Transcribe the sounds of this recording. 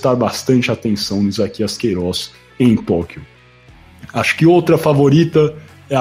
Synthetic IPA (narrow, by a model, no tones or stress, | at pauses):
t̪aɾbast̪ɐ̃nt͡ʃɪat̪ẽsɐ̃w̃nʊizakiɐskejɾɔs | ẽj̃t̪ɔkiʊ | aʃʊ̥kɪowt̪ɾɐfavoɾit̪ɐ | ɛ